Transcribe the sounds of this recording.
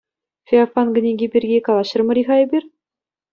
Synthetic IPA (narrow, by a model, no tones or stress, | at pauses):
fʲeafɑnɡɘ̆nʲeɡʲebʲirʲɡʲekɑlˠɑɕɤ̆rmɤ̆ɾʲixɑjɘ̆bʲir